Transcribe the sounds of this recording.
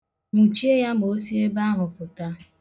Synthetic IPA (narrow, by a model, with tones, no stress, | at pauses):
n̩˨t͡ʃi˦e˦ja˦bo˦si˦e˦ba˦ɦʊ˨pʊ˨ta˦